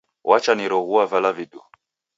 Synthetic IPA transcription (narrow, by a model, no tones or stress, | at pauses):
wʔat͡ʃaniɾɔɣuavalavidɔ̰